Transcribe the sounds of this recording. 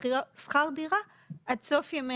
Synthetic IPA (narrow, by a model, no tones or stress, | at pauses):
sχaʁd̪iʁa | at̪sofjame